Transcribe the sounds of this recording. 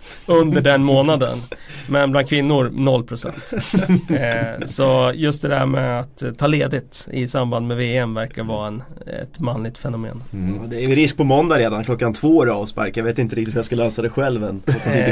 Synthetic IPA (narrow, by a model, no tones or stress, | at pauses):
ɵnd̪əɖɛnmoːnad̪ə̰nmɛnblankʰvɪnːʊɾnɔlːpʰɾʊsɛ̰nt̪ | sɔjɵst̪d̪ɛd̪æ̰ɾmɛ̰at̪t̪ʰːɑːleːd̪ɪt̪ɪ̰samband̪mɛveːɛmvæɾkavɑːɛnɛ̰t̪manlɪɡ̚t̪fɛnʊmḛːnd̪ɛæɾjʏɾɪsk̚pʰɔmɔnd̪aɾeːd̪ankʰlɔkːant̪ʰvoːæɾɑːvspa̰ɾkajɑveːt̪ɪnt̪əɾɪkt̪ɪt̪hʉjaskalɛːsad̪ɛɧɛlvɛnɔasɪ